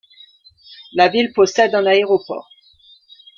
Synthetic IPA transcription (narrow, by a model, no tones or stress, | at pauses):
lavilpɔsɛd̪ɛ̃naeʁɔpɔ̰ʁ